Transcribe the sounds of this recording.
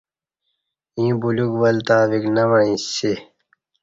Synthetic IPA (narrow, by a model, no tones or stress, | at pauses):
ĩːbuluɡʋɐlt̪aːβiknɐʋɐĩːse